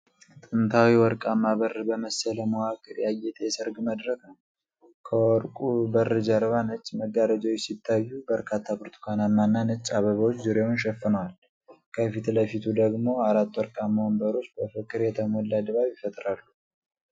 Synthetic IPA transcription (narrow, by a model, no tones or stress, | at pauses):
t̪ʼɨnt̪ʰawiwɔɾkʼamːaβərbəməsələmowakʼɨɾjajɛt̪ʼesɨɾɡməd̪ɾəkʰ | kʰəwɔɾkʼubərːɨd͡ʒəɾβanɨt͡ʃʼːməɡaɾəd͡ʒawjɛsit̪ʰːajːubəɾkʰat̪ʰːapɔɾt̪ʰɨ̥kʰanamːanːanɨt͡ʃʼːaβəβəwot͡ʃːzuɾewʊnʃɛfːɨnəwal | kʰəfit̪ʰləfit̪ʰud̪əɡmo̞aɾat̪ːwɔɾkʼamambəɾo̞t͡ʃːbəfɨkʼːɨɾjɛt̪ʰəmɔlːad̪ɨβaβjɪfət̪ʼɾalːu